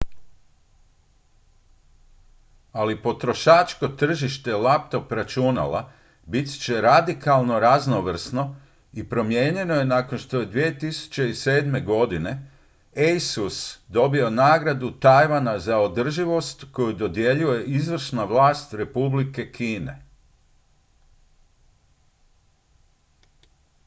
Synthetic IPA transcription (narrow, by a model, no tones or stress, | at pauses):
alipo̞t̪ɾo̞ʃaːt͡ʃko̞t̪r̩ʒiʃt̪e̞lap̚t̪o̞pɾat͡ʃuna̰la̰ | bit̪t͡ɕe̞ɾad̪ikalˠno̞ɾaznoʋr̩sno̞ | ipɾo̞mje̞ːɲe̞no̞je̞naːkonʃt̪o̞je̞d̪ʋie̞t̪isu̥t͡ɕeise̞ːd̪me̞ɡo̞d̪ine̞ | ejsusd̪o̞bio̞naːɡɾad̪ut̪ajʋanazao̞d̪r̩ʒiʋo̞st̪ko̞jud̪o̞d̪je̞ʎuje̞ʔizʋr̩ʃnaʋlaːst̪ɾe̞publike̞kʰiːne̞̰